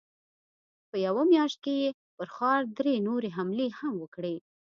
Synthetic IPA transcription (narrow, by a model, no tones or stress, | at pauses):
pəjawamjɑʃt̪̚keje | pəɾxɑɾd̪ɾenoɾeɦamlehamwəkɽe